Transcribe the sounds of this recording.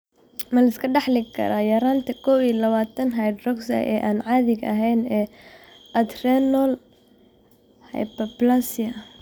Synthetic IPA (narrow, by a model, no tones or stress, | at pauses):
mɐlɐɪskʰɐɖɑħlɪkʰɐ̰ɾaːjɐɾaːnt̪ʰɐkʰɔwiːlɐβaːt̪ʰɐnɦajd̪rɔksɐ̰ʔɛ̰ːʔaːnʕaːðɪɡɐ̰ɦɛjnɛː | ʔɐd̪rɛnɔl | hɛ̰jpɐblasɪɐ